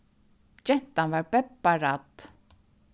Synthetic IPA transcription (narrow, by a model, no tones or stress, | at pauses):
d͡ʒɛn̥t̪anvaːɹpɛpːaɾat̪